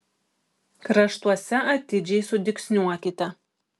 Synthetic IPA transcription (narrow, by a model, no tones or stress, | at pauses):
kɾɐʃt̪uɔsʲɛʔɐt̪ʲɪd͡ʒʲɛɪsʊd̪ʲɪksʲnʲuɔkʲɪt̪ʲɛ